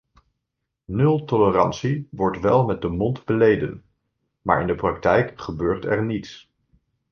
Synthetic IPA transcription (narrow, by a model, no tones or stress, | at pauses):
nɵlˠtɔlərɑnsiʋɔɹtʋɛlˠmɛt̚dəmɔndbəlejdə̰n | ma̰ːɹɪndəprɑktɛjkχəbøːɹtɛɹnits